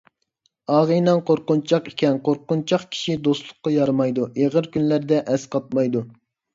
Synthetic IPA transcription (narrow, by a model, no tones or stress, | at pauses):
ɑːʁɨjnɑnqoɾqʊnt͡ʃʰɑqi̥kʲɛnqʰoɾqːʊnt͡ʃʰɑqkʲʰi̥ʃid̪oslˠʊqːɑjɑɾmɑjd̪uʔeʁəɾkʲynlæɾd̪ɛʔɛsqʰɑt̪̚mɑjd̪u